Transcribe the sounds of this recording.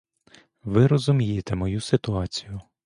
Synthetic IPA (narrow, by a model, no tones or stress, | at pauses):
ʋɪɾɔzʊmʲijet̪ɛmɔjusɪt̪ʊɑt͡sʲijʊ